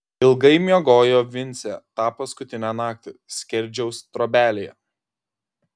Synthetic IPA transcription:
ɪlˠɡɐɪmʲioɡoːjoːʋʲɪnʲt̪sʲæt̪ɑːpɐskʊt̪ʲɪnʲæːnɑːk̚t̪ʲɪsʲkʲɛɾʲˑd͡ʒʲɛʊst̪ɾoːbʲæːlʲejɛ̰

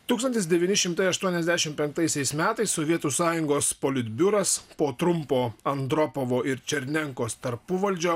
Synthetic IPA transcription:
t̪uːkst̪ɐnʲt̪ʲɪsd̪ʲɛʋʲiːnʲɪʃʲɪmt̪ɐɪɐʃt̪uɔnʲɛzʲd̪ʲæʃʲɪmpʲɛŋk̚t̪ɐɪsʲɛɪsmʲæːt̪ɐɪssoʋʲiɛt̪uːsɑːjʊŋɡoːspoːlʲɪd̪ʲbʲʊɾɐspoːt̪ɾʊmpoːɐnd̪ɾɔpoʋoːʔɪɾt͡ʃʲɛɾʲnʲɛŋkoːst̪ɐɾpʊʋɐlʲd͡ʒʲoː

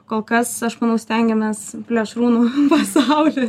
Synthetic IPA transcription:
koːlˠkɐsɐʃmɐnɐʊsʲt̪ʲɛŋʲɡʲɛmʲeːspʲlʲɛʃɾuːnuːpɐsɑʊlʲiː

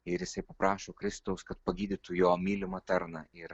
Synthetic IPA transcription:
ɪɾjɪsɐɪpɐpɾɑːʃoːkɾʲɪst̪ɐʊskɐt̪̚pɐɡʲiːd̪ʲɪt̪ʊjoːmʲiːlʲɪmɐt̪ʲɐɾnɐɪɾ

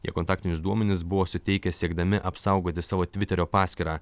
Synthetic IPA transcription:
iɛkont̪ɑːk̚ʲt̪ʲɪnʲʊsd̪uɔmʲɛnʲɪs̬bʊʋoːsʊt̪ʲɛɪkʲɛsʲiɛɡd̪ɐmʲɪʔɐpsɐˑʊɡoːt̪ʲɪsɑːʋoːt̪ʲʋʲɪt̪ʲɛɾʲoːpɑːsʲkʲiɾɑː

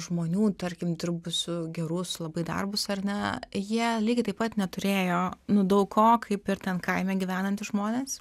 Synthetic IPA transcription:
ʒmoːnʲuːt̪ɐɾʲkʲɪmd̪ʲɪɾbʊsʊɡʲɛɾʊslˠɐbɐɪd̪ɐ̰rbʊsɐrnʲɛjiɛlʲiːɡʲɪt̪ɐɪpɐt̪nʲɛt̪ʊɾʲeːjoːnʊd̪ɐʊkkoːkʰɐɪpɪɾt̪ʲɛnkɐɪmʲɛːɡʲiʋʲæːnɐnʲt̪ʲɪʒmoːnʲeːs

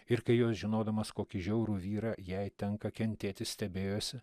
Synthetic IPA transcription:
ɪɾkɐɪjoːsʒʲɪnoːd̪ɐmɐskoːkʲɪʒʲɛʊɾuːʋʲiːɾɑjɛɪt̪ʲɛŋkɐkʲɛnʲt̪ʲeːt̪ʲɪssʲt̪ʲɛbʲeːjoːsʲɪ

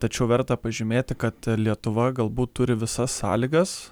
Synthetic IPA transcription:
t̪ɐt͡ʃʲɛʊʋʲɛɾt̪ɐpɐʒʲɪmʲeːt̪ʲɪkɐt̪lʲiɛt̪ʊʋɐɡɐlˠbuːt̪ːʊɾʲɪʋʲɪsɐsːɑ̰ːlʲɪɡɐs

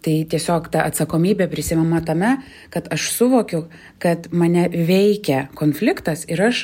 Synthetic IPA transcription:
t̪ɐɪt̪ʲiɛsʲoːkt̪ɐʔɐt̪sɐkoːmʲiːbʲepʲɾʲɪsʲɪmʲɛmɐt̪ɐmʲɛ | kɐt̪ɐʃsʊʋoːkʲʊ | kɐt̪mɐnʲɛʋʲɛɪkʲɛkoːnfʲlʲɪkt̪ɐsɪɾɐʃ

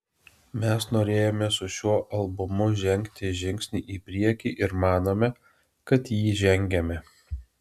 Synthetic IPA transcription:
mʲɛsnoːɾʲeːjoːmʲɛsʊʃʲuɔʔɐlˠbʊmʊʒʲɛŋʲkt̪ʲɪʒʲɪŋʲksʲnʲiːʔiːpʲɾʲiɛkʲiːʔɪɾmɑːnoːmʲɛ | kɐt̪jiːʒʲɛŋʲɡʲɛmʲɛ

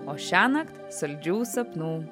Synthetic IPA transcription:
oːʃʲæːnɐkt̪sɐlʲd͡ʒʲuːsɐpnuː

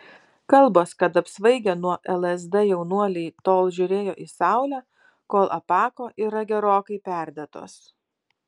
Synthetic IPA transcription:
kɐlˠboːskɐt̪ɐpsʋɐɪɡʲɛnuɔʔɛlˠɛzd̪ɛjɛʊnuɔlʲɛɪt̪oːlˠʒʲʊɾʲeːjoːʔisɑˑʊlʲæː | koːlˠʔɐpɑːkoːʔiːɾɐɡʲɛɾoːkɐɪpʲæˑɾʲd̪ʲɛt̪o̰ːs

